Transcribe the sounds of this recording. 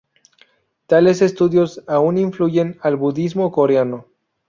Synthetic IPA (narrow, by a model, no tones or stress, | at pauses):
t̪ale̞se̞st̪uðjo̞sauniɱfluʝe̞nalβuðizmo̞ko̞ɾeano